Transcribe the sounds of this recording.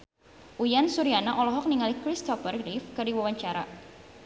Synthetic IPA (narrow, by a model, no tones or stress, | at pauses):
ʔujansuɾianaʔɔlɔɦɔk̚niŋalikɾist̪ɔfərɡɾifkərdiwawaɲt͡ʃaɾa